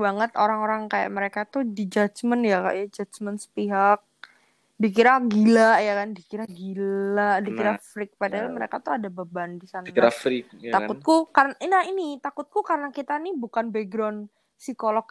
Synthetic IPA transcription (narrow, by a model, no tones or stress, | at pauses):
baŋət̪oɾaŋoɾaŋkaja̰ʔməɾekat̪udid͡ʒat͡ʃmənjaka̰ʔjad͡ʒat͡ʃmənsə̥piɦak̚ | dik̬iɾaɡilaʔjakandikiɾaɡilaʔdikiɾafɾɪk̚padaalməɾḛkat̪uadababandisanaɾafɾikt̪akkʊt̪̚kukarnaʔinainit̪akʊt̪̚kukaɾənakit̪anibukanbɛɡɾɔn | sikolɔk̚